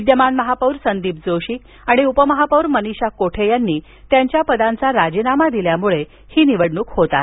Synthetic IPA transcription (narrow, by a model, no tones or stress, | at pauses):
id̪jəmanməɦapəwɾsənd̪iːp̚d͡zoɕiː | aɽ̃iupəməɦapəwɾməniɕakoʈʰejanːiː | t̪jaɲt͡ɕjapəd̪ãnt͡saɾad͡ʑinamad̪iljamuɭe | hiːniʋəɽɳuːkhot̪a̰t̪